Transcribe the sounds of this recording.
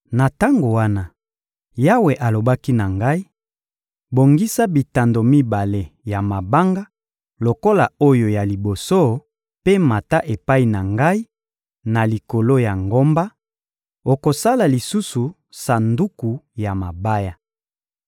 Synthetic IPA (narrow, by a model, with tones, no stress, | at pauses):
na˨ta˦ŋɡo˨wa˦na˦ | ja˦we˨ʔa˨lo˨ba˦ki˦na˨ŋɡa˦i˦ | bo˨ŋɡi˦sa˦bi˨ta˨ndo˨mi˦ba˨le˨ja˨ma˨ba˦ŋɡa˦ | lo˨ko˦la˨o˦jo˨ja˨li˨bo˨so˦ | pe˦ma˨ta˦ʔe˨pa˦i˨na˨ŋɡa˦i˦ | na˨li˨ko˨lo˦ja˨ŋɡo˦mba˦ | o˨ko˨sa˦la˨li˨su˦su˨ | sa˨ndu˦ku˨ja˨ma˨ba˦ja˨